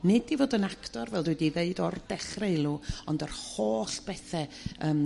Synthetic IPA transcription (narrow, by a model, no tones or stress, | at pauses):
nɪdivoːdənaktɔrvɛlˠdwɛdiðeɨdɔrd̥ɛχreɨlˠuɔndərhoːɬb̥ɛθɛ | əːm